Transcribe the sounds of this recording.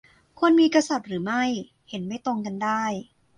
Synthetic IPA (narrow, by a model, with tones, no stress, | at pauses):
kʰu˧ənmiː˧ka˧sa˨˩t̪̚ɾɯː˩˦ma˥˩j | he˩˦nma˥˩jt̪o˧ŋka˧ndaː˥˩j